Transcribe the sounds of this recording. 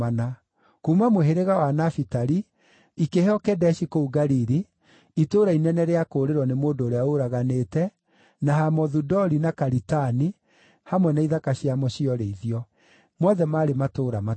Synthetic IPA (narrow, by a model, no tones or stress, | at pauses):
ana | kuːmamoɦeɾeɣawanafitaɾi | ikehɔkɛdɛʃikouɡaɾiɾi | itoɾainɛnɛɾeakoːɾeɾwɔnemoːndoːɾeaoɾaɣaneːtɛ | naɦamɔðudɔɾinakaɾitani | hamwɛnaiðakaɕiamɔɕiɔɾeiðiɔ | mwɔðɛmaːɾematoɾama